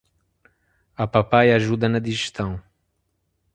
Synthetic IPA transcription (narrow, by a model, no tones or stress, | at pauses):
ɐpapajaʒud̪ɐnɐd̪iʒɨʃt̪ɐ̃w̃